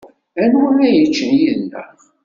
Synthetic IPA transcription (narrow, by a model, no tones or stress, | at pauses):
ænwʊnæjət͡ʃːənjiðnə̰